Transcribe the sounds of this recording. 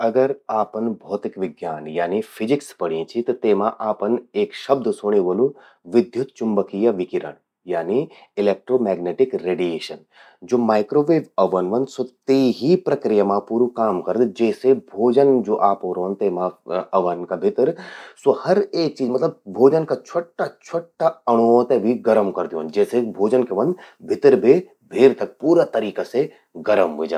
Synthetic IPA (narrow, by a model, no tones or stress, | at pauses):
ɐɡəɾaːpənbʱɔːt̪ɪkʋɪɡjaːnjaːnifʰɪzɪkspɐɽ̤iẽt͡ʃʰit̪ɐt̪eːmãʔaːpəneːkʃɐb̚d̪ʱsoːɽ̃eʋɐlũ | ʋɪd̪ʱjut̪t͡ʃʊmbəkijɐʋɪkiɾə̰ɳ | jaːni | ɪleːk̚ʈɾoːmɛːɡneːʈɪkɾeːɖijeːʃən | d͡ʒoːmaːɪkɾoːʋeːʋɐʋɐnʋɐnd̪sot̪eːɦipɾɐkɾijamãpuːɾukaːmkɐɾəd̪d͡ʒɛːsebʱoːd͡ʒənd͡ʒoːʔaːpoːɾoɦə̃nt̪emãɐʋənkabʱɪt̪ɾsohɐɾeːk̚t͡ʃiːzmɐt̪ləb̚bʱoːd͡ʒənkat͡ʃʰoʈːat͡ʃʰoʈːaɐɽ̃oːt̪ebʱiɡɐɾəmkɐɾd̪ijõnd͡ʒɛːsebʱoːd͡ʒənkeʋɐ̃nd̪bʱɪt̪ɾbʱi | bʱeːɾt̪ɐk̚puːɾat̪ɐɾiːkase | ɡɐɾəmʋed͡ʒə̰̃n